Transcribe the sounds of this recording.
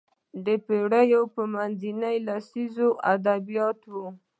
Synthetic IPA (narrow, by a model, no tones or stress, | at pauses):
d̪əpeɽajowpəmanzinəjlasizoʔad̪abijɑt̪wu